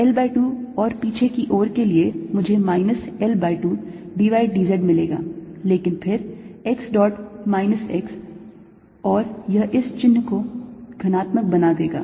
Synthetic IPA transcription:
ɛlbaːɪʈuːɔːɾpiːt͡ʃʰekiʔɔːɾkeliemʊd͡ʒʱemaːɪnəsɛlbaːɪʈuː | ɖiːʋaːɪɖiːzeɖmɪleːɡa̰ːleːkɪnpʰɪɾɛksɖɔːʈmaːɪnəsɛks | ɔːɾjɐɦʔɪst͡ʃɪnːkoɡ̥ʱɐnaːt̪mək̚bɐnad̪eːɡa̰ː

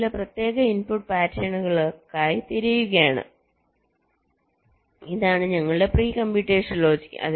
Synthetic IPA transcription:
leprɐt̪je̞ːɣɐinpuʈ̚paːtjɐɳuɣɐɭokːaːjit̪iɾijuɣɐjaːɳɨ̰ | iðaːɳɨɲɐŋːɐɭɨɖe̞priːkɐmbiʈːeːʂɐnlo̞ːd͡ʑi̥kʲːʔɐ̰ð

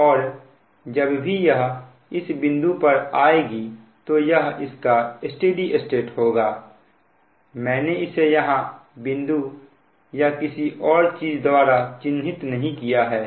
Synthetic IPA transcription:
ɔːɾ | d͡ʒɐbbʱijɐɦ | ɪsbɪ̃nd̪upɐɾaːeɡi | t̪ojɐɦɪskaɪsʈeːɖiʔɪsʈeːʈhoːɡaː | mɛ̃ːneɪsejɐɦãbɪ̃nd̪u | jakɪsiʔɔːɾt͡ʃiːd͡ʒd̪waːɾat͡ʃɪnɦɪt̪nɐɦĩkijaɦɛː

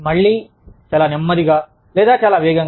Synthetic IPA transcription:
mɐɭːi | t͡ʃaːlanemːɐɾiɡɐ | leːd̪aːt͡ʃaːlaʋeːɡɐŋ

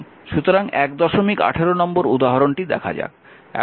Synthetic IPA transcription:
ʃut̪oɾaŋɛkd̪ɔʃomika̰ʈʰeɾonɔmboɾud̪aɦaɾonʈid̪ɛ̰kʰa̰d͡ʑa̰ | ɛ̰

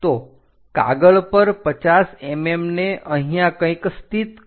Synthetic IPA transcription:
t̪o | ka̰ɡəɭpəɾpət͡ʃasɛmemneʔə̃ɦijãkə̃ĩkst̪it̪

